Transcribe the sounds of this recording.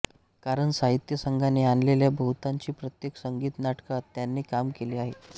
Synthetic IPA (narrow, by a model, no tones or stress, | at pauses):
kaɾəɳsaɦit̪jəsəŋɡʱaneanleljabʱəɦut̪aɲt͡ɕiːpɾət̪jeksəŋɡiːt̪naʈkat̪janːiːkamkeliːaɦe